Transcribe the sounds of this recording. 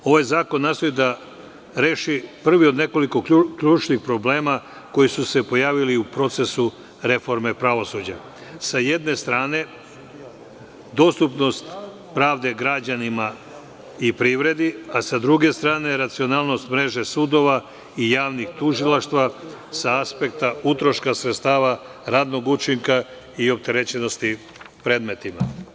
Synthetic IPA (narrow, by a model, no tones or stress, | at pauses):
o̞ʋajzaːko̞nːaːst̪o̞jid̪a | ɾe̞ːʃipr̩ʋio̞d̪ne̞ko̞liko̞kʎuːt͡ʃnixpɾo̞ble̞ːma | ko̞jisuse̞po̞jaːʋiliupɾo̞t̪se̞su | ɾe̞fo̞ɾme̞pɾaʋo̞sud͡ʑa̰ | saje̞d̪ne̞st̪ɾaːne̞ | d̪o̞st̪upno̞st̪ | pɾaːʋd̪e̞ɡɾad͡ʑanima | ipɾiʋɾe̞d̪iasad̪ɾuɡe̞st̪ɾaːne̞ɾat̪sio̞naːlˠno̞st̪mɾe̞ʒe̞sud̪o̞ʋa | ijaːʋnixt̪uʒilaʃt̪ʋasaaspe̞kt̪aut̪ɾo̞ʃkasɾet̪st̪aːʋa | ɾaːd̪no̞ɡut͡ʃiŋka | io̞p̚t̪e̞ɾet͡ɕeno̞st̪i | pɾe̞ːd̪me̞t̪ima